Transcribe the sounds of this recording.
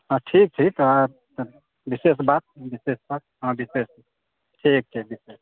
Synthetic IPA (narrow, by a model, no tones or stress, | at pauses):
ãʈʰik̚ʈʰika | t̪ | bisesbat̪̚bisespaɾɦə̃bises | ʈʰik̚ʈʰik̚bises